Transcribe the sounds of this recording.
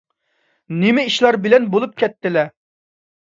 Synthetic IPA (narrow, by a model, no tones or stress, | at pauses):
nɪmɪiʃlˠɑɾbɪlɛnbolˠup̚kʲʰɛt̪ːɪlɛ